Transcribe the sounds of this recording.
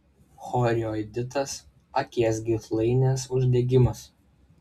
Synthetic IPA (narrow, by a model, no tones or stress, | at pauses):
xɔːɾʲɪoːɛd̪ʲɪt̪ɐs | ɐkʲiɛsɡʲɪt̪lˠɐɪnʲɛsʊʒʲd̪ʲɛɡʲɪmɐs